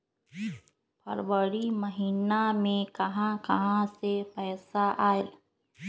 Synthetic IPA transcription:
pɐɾʋəɾiməɦiːnamẽkɐɦãkɐɦãsepɛːsaʔaːe

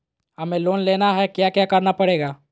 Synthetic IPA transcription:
ɦɐmẽloːnleːnaɦɛkjaːkjaːkɐɾnapɐɽeːɡaː

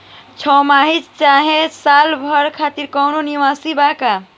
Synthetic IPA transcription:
t͡ʃʰɔmaɦid͡ʒt͡ʃaɦesalbʱəɾkʰat̪iɾkɔwnoniʋasibaka

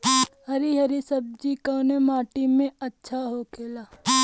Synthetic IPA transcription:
hɐɾiɦɐɾisɐb̚d͡ʒikəːnemaːʈimẽɐtːʃʰaɦokʰeːlaː

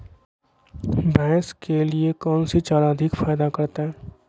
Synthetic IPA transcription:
bɛːskeliekɔːnsit͡ʃaːɾaəd̪ʱɪkfaːjd̪akɐɾt̪aɦɛː

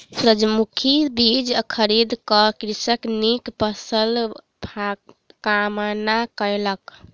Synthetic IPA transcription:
pɾəd͡ʒmukʰibid͡ʒkʰəɾid̪kəkɾisəknikpəsəl | bʱa | kamənakələk

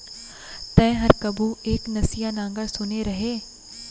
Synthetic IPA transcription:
t̪ɛ̃ːɦɐɾkəbuːeːknɐsijaːnãːŋɡəɾsʊneɾɐɦeː

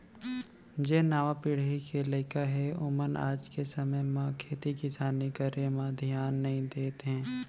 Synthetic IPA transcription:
d͡ʒeːnaːʋãpiɽ̤ikʰeləɪkaɦɛʊməna̰ːd͡ʒkesɐməjmãkʰeːt̪ikɪsaːnikaɾemãd̪ʱjaːnːɐɦĩd̪eːt̪ɦɛ̃ː

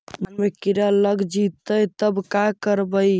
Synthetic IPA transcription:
mənmekiɾələɡd͡ʒit̪əjt̪əbkakəɾbəj

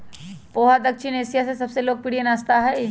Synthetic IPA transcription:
poːɦad̪ɐkʃʰɪneːsijasesɐbseloːɡ̚pɪɽijenaːst̪aɦɛj

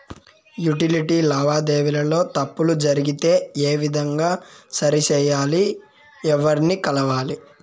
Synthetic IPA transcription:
juʈiliʈiːlaːʋaːd̪eːʋilɐlo̞ːt̪ɐpːulud͡ʒɐɾiɡit̪e̞ːeːʋid̪ʱɐŋɡaːsɐɾit͡ʃɛːjaːli | ɛʋɐɾnikɐlɐʋaːli

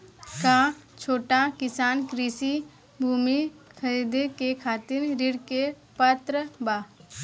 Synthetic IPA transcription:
kãt͡ʃʰoːʈakɪsaːnkɾiːsi | bʱuːmikʰəɾid̪ekekʰaːt̪ɪɾɾɪɽke | pət̪ɾəbaː

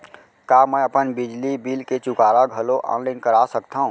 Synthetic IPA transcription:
kaːmɛ̃ɐpənbɪd͡ʒlibiːlket͡ʃʊkaːɾaɡʱəloʔɔ̰ːnlaːɪnkəɾaːsəkt̪aɦũː

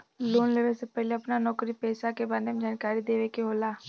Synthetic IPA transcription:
loːnleʋesepɛɦleɐpnanɔːkɾipɛːsakebaːɾemed͡ʒaːnkaːɾid̪eːʋekeɦoːlaː

